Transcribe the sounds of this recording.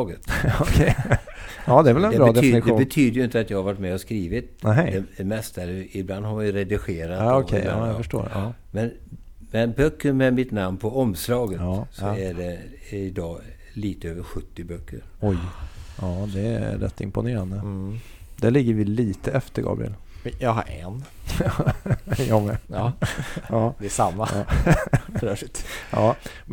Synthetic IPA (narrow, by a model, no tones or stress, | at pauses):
ɡət̪ɔkʰɛ | ɑːd̪ɛæɾvɛlɛnd̪ɛbɾɑːd̪ɛyːnɪɧd̪uːbɛt̪ʰyːd̪əjɵɪnt̪əat̪jɑːɡhaɾvaʈːmɛɔskɾiːvɪt̪næɦɛd̪ɛd̪ɛmɛst̪aɛlːəɪbland̪haɾvajɾɛd̪ɪɧeːɾat̪ːɔɛjfəʂʈo̰ːɑːmɛn | mɛnbœkːəɾmɛmɪt̪namnpʰɔɔmslɑːɡəsɔæɖɛɪd̪ɑː | liːt̪əøːvəɾɧɵt̪ːɪbœkʰːəɾɔjɑːd̪ɛ̰ɾɛ̰t̪ːɪ̰mpʊneːɾand̪ə | d̪̥æɭɪɡːəɾvɪliːt̪əɛft̪əɾɡɑ̰ːbɾɪ̰ɛ̰l | jɑɦaɾɛ̰n | jɑmɛ | ɑːd̪ɛsamːaː | ɑː